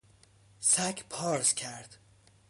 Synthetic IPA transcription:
sækʰpʰɒːɾzcʰæɾd̪̥

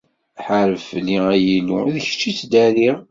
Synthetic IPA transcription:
ħəɾəfliæjiluðəçt͡ʃːit͡sd̪æli

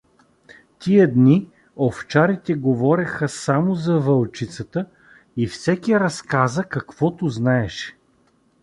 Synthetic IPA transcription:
t̪iəd̪ni | oft͡ʃaɾit̪ɛɡovɔɾʲɛxəsamozɐvɐlˠt͡ʃit̪sət̪ə | ifsɛkʲiɾɐskazəkɐkv̥ɔt̪ʊznaɛʃɛ̥

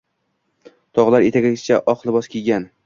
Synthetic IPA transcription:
t̪ʰɒʁlˠaɾet̪ʰaɡʲaɡʲɪsɪt͡ʃʰaʔɒqlˠɪbɒskʲʰiɡʲan

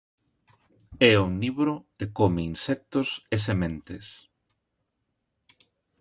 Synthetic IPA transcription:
ɛuŋniβɾoekomeinsɛk̚t̪ʊses̬emẽnt̪es

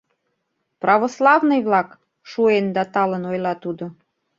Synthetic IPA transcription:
prɑβoslɑvnɤjβlɑk | ʃuend̪ɑt̪ɑlənojlɑt̪ud̪o

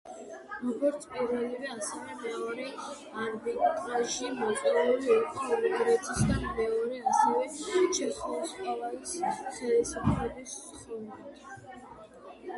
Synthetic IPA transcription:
ɾɔɡɔɾt̪sʰpʼiɾvɛlivɛasɛvɛmɛɔɾi | aɾbit̪ʼaʃimɔɛluɾiɔɾt̪ʰiɔluɡɾɛt̪ʰisd̪amɛɔɾɛasɛvɛt͡ʃʰɛsulˠsqʼavalisχɛisapʰɾɛb̪is | χuna

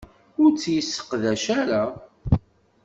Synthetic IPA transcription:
ʊɾt͡sːjəsːə̥qðæʃaɾa

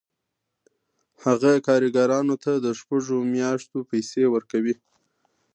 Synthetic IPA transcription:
haɣakɑɾiɡɑɾɑnot̪ad̪əʃpaʐomjɑʃt̪opajsewəɾkawi

